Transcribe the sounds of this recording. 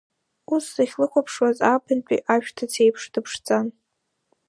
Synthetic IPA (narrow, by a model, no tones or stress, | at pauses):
usːaχʲlɨkʷʰapʰʂwazapʰɨnt͡pʼḭʔaʃᶣtʰat͡sʰe̞jpʰʂdɨpʰʂt͡sʼan